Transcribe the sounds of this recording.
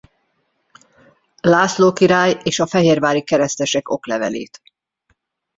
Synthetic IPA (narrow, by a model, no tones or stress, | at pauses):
laːsloːkiɾaːjeːʃɒfɛɦeːrvaːɾikɛɾɛst̪ɛʃɛko̞̰klɛvɛ̰lḛːt̪